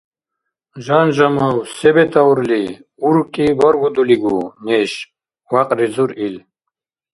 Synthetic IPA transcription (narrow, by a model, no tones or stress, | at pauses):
ʒanʒamawsɛbɛt̪ʰauɾli | uɾkʼibaɾɡud̪uliɡunɛʃ | waqʼɾizuɾil